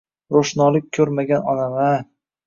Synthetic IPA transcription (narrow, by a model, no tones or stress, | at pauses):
ɾoʃnɒlˠɪk̚ʲkʲʰːɵɾmaɡʲanɒnama